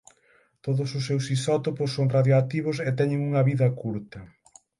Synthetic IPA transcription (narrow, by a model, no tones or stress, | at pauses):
t̪oðʊsʊsːewsisɔt̪opʊsːoŋraðjoat̪iβ̞ʊset̪ɛɲɪ̃ŋuŋɐβiðɐkuɾt̪ɐ